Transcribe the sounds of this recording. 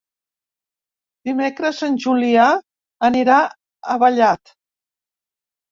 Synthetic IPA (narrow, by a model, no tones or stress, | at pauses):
d̪imekɾəzənʲʒulia | əniɾa | əβəʎat̪